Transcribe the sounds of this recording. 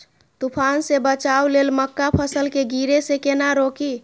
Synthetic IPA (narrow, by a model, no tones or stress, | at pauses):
t̪upʰansebət͡ʃawlelməkːapʰəsəlkeɡiɾesekenaɾoki